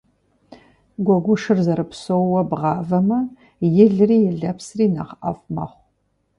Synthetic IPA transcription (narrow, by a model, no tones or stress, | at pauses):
ɡʷɔɡʷʊʂɨrzɐɾɨpsowwɐbʁɑːvɐmɐ | jɪɮɨriːjɪɮɐpsriːnɐʁʔɐ̰fʷmɐ̰χʷ